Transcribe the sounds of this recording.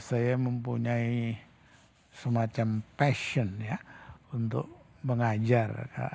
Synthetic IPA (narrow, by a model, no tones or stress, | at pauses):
sajaməmpuɲai | səmat͡ʃampɛʃɔnjaunt̪ʊ̰k̚ | məŋad͡ʒarka̰